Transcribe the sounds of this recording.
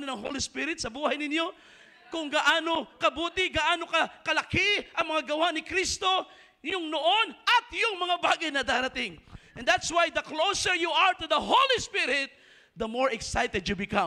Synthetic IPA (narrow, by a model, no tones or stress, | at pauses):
nonɐŋɦo̰lispɪɾɪt̪sɐbuːhɐjnɪnjo̞ | kʊŋɡaʔaːnokɐbuːt̪ɪɡaʔaːnokɐkɐlɐkɪʔɐŋmɐŋaɡɐwanɪkɾist̪o̞ | jʊŋnoʔonɐt̪jʊŋmɐŋabaːɡajnɐd̪aːɾɐt̪ɪŋʔɛ̃nd̪at̪swajd̪ɐklowsəɹjuaɹt̪ʊðɐɦolispɪɾɪt̪̚ | d̪ɐmoɹɛksajt̪ɛd̪jubɪkɐ̃m